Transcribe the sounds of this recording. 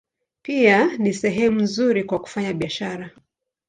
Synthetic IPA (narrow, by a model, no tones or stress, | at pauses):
pianisɛɦɛmuzuɾikwaku̥faɲaɓiaʃaɾa